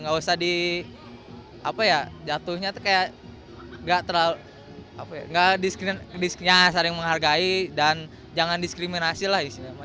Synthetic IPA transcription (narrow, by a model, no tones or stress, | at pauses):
ŋɡausahdi | a̰pajad͡ʒat̪uhɲat̪ukajaʔ | ŋɡaʔt̪ərlalu | apaja̰ŋɡaʔdiskɾindisjasaɾɪŋməŋɦarɡaidan | d͡ʒaŋandiskɾiminasilahisiɲama